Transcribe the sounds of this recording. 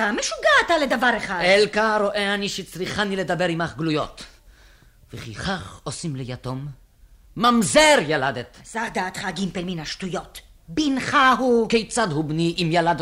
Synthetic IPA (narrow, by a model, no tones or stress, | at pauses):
ameʃuɡat̪aled̪avaʁeχad̪elkaɾoʔeaniʃet͡sʁiχaniled̪abeɾimaχɡlujo̞̰t̪ | veχḭχaχosimlejat̪o̞mː | amzeʁjalad̪et̪z̥aʁd̪aːt̪χaɡimpelminaʃtujo̞t̪ | binχaɦukejt͡sad̪hubniʔimjalad̪